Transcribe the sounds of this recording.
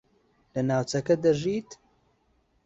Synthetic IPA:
lɐnaːwt͡sɐkɐd̪ɐʒiːt̪

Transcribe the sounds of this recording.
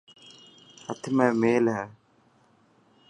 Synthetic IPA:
hət̪ʰmɛ̃ːmeːlɦɛː

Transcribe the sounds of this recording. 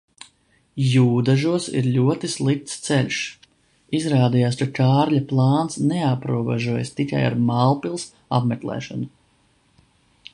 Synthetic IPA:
juːd̪aʒuɔsḭɾʎʲuɔt̪islˠik̚t̪st̪sɛlʲʃ | izɾaːd̪ijaːskakaːɾlʲaplˠaːnt̪snɛapɾuɔbɛ̰ʒuɔjast̪ika̰ja̰ɾmalˠpilˠs | a̰pmɛklˠɛ̰ːʃɔnu

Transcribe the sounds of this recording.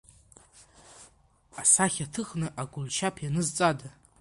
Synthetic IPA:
asaχʲatʰɨχnɨʔaɡʷʊlt͡ʃʰapʰjanɨzt͡sʼada

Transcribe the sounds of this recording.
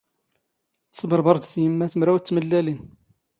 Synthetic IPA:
θə̥sˤbəɾˤbɑɾˤd̪θjəmːæθəmɾæwt͡sːməlːælin

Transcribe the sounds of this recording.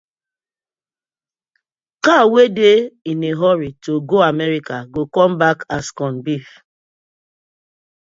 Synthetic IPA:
kawedeineɦɔɾitoɡoamɛɾikaɡokɔ̃mbakaskɔ̃nbif

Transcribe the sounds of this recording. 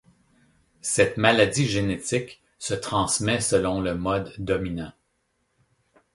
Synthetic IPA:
sɛt̪malad̪iʒenet̪ɪk | sət̪χɑ̃smɛsəlɔ̃ləmɔd̪ːɔminɑ̃

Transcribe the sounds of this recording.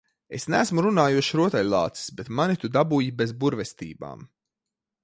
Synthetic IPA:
esnæːsmuɾunaːjuʃɾuɔt̪alʲlˠa̰ːt̪si̥sbet̪manit̪ud̪abuːjibezbuɾvɛst̪ḭːba̰ːm

